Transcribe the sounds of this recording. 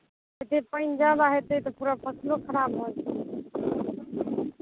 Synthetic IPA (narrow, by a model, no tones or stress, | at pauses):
et̪epə̃ɪnd͡ʒalaɦet̪ət̪ɔpuɾapʰəslokʰəɾabɦot͡ʃʰ